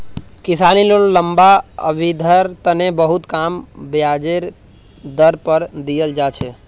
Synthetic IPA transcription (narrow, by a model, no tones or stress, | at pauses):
kɪsanilolləmbaə̰ʋid̪ʱəɾt̪ənebəɦut̪kaːmbjad͡ʒeɾ | d̪əɾpəɾd̪ijəld͡ʒaːt͡ʃʰe